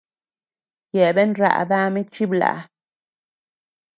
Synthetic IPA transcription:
je˨be˦nɾa̰˨ba˦mi˦t͡ʃi˦bla̰˨

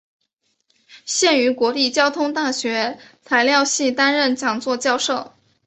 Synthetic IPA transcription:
ɕjɛ˥˩ny˧˥kwɔ˧˥li˥˩t͡ɕjɑ˥ʊt̪ʰʊ˥ŋt̪a˥˩ɕɥɛ˧˥t͡sʰa˧˥ɪljɑ˥˧ʊɕi˥˩t̪a˥nɻə˥˩nt͡ɕjɑ˨˩ŋt͡swɔ˥˧t͡ɕjɑ˥˧ʊʂo˥˩ʊ

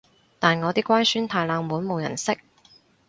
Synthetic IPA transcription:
t̪aː˨˩nŋɔː˨˧t̪iː˥kʷwaː˥nsyː˥nt̪ʰaː˧jlaː˨˧ŋmuː˨˥nmo˨˧wjɐ̰˨˩nsɪ˥k̚

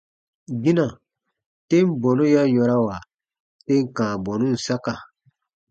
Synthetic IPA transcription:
ɡĩ˦nã˨ | te˦m˦bɔ˨nũ˦ja˦jɔ˧ɾa˦wa˨ | te˦ŋ˨kãː˨bɔ˨nũ˦n̩˨sa˦ka˨

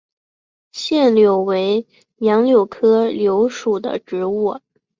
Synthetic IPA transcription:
ɕjɛ˥˩nljo˨˩ʊwe˧˥ɪ | jɑ˧˥ŋljo˨˩ʊkʰɤ˥ljo˧˥ʊʂu˨˩d̪ə̰˦ʈ͡ʂɻ̩˧˥u˥˩

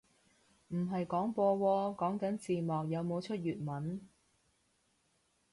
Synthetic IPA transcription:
m̩˨˩ɦɐ˨jkɔː˨˥ŋpɔː˧wɔː˧kɔː˨˥ŋkɐ˨˥nt͡siː˨˩mɔː˨k̚jɐ˨˧wmo˨˧wt͡ʃʰɵ˥t̚jɥyː˨t̚mɐ˨˥n

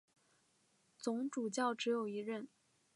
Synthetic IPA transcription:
t͡sʊ˧˥ŋʈ͡ʂu˨˩t͡ɕjɑ˥˩ʊʈ͡ʂɻ̩˧˥jo˨˩ʊi˧˥ɻə˥˩n

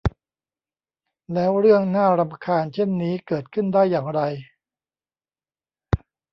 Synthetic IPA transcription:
lɛː˦˥wɾɯ˥˩əŋnaː˥˩ɾa˧mkʰaː˧nt͡ɕʰe˥˩nːiː˦˥kɤː˨˩t̪̚kʰɯ˥˩ndaː˥˩jːaː˨˩ŋɾa˧j

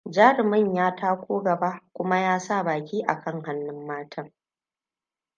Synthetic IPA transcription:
d͡ʒaː˦ɾɪ˨mɪ˦˨ɲjaː˦tʰaː˦kʷoː˦ɡɐ˨ba˦kʷʊ˦ma˦jaː˦sa˦˨baː˨kʲiː˦ʔa̰˨kʰɐ˦˨ŋɦa˦nːɪ˦mːaː˦tʰɐ˦ŋ

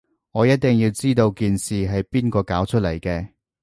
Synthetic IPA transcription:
ŋɔː˨˧jɐ˥t̚t̪ɪ˨˩ŋjiː˧wt͡siː˥t̪o˧wkiː˨nsiː˨ɦɐ˨jpiː˥nkɔː˧kaː˨˥wt͡ʃʰɵ˥lɐ˨˩jkɛː˧

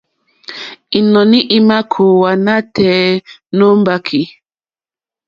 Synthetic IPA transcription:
i˨nɔ˨ni˦ʔi˦ma˦kʰo˨wa˨na˦tʰɛ˨˦no˦m˦ba˦kʰi˨

